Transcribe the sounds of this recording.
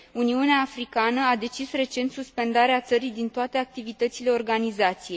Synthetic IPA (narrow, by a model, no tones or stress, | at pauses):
uniuneaːfɾikanəad̪e̞t͡ʃisre̞t͡ʃe̞nt̪suspe̞nd̪aɾeat̪səɾijd̪int̪oat̪eak̚t̪ivit̪ət̪sile̞o̞rɡanizat̪sije̞j